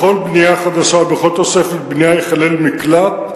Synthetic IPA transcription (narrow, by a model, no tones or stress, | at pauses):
χo̞lbnijaχad̪aʃabeχot̪o̞se̞fet̪̚bnijajeχalelmiklat